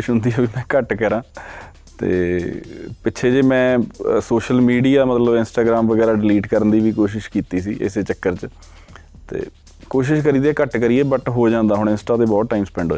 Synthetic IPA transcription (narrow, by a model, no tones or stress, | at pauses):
ʃɦʊnd̪iːaːbiːmɛ̃ːkəʈkəɾãː | t̪ḛː | pɪːʃʰeːd͡ʒeːmɛ̃ːsoːʃəlmiːɖiːaːmət̪ləbɪ̃nsʈaːɡɾaːmʋəɡɛːɾaːɖɪliːʈkəɾənd̪iːʋiːkoːʃ̬ɪʃkiːt̪iːsḭːʔɪ̰seːt͡ʃəkːəɾt͡ʃ | t̪ḛː | koːʃɪʃkəɾiːd̪ɛːkəʈkəɾieːbəʈɦoːd͡ʒãːnd̪aːɦʊɳɪ̃nsʈaːt̪eːbɔːt̪ːaːiːmspɛ̃ːɳɖoː